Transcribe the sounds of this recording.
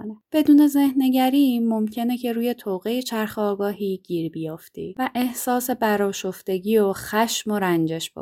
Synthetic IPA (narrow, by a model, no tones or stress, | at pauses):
neb̥e̞d̪uːne̞ze̞hne̞ɟæɾiːmo̞mcʰe̞ne̞cʰe̞ɾuːje̞t̪ʰoːɣe̞je̞t͡ʃʰæɾxeɒːɡɒːɦiːɟ̥iːɾbijɒːft̪ʰḭvæʔe̞hsɒːse̞bæɾɒːʃo̞ft̪e̞ɟiːoxæʃmo̞ɾænd͡ʒe̞ʃb̥o̰